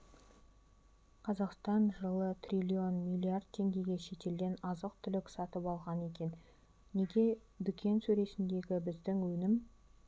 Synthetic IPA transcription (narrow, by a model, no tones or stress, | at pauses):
qʰɑzɑqst̪ɑnʒəlˠət̪ʰrʲilʲio̞nmijlʲˠiard̪̚t̪ʰe̞ŋɡʲe̞ɡʲe̞ʃe̞t̪e̞ld̪ʲe̞nɑzəq̚t̪ʰʏlɪksɑt̪əpɑlˠʁɑne̞kʲe̞nː | eɡʲe̞ | d̪ʏkʲʰe̞nsɵɾe̞sɪnd̪e̞ɡʲɪbɪzd̪ɪŋwɵnɪm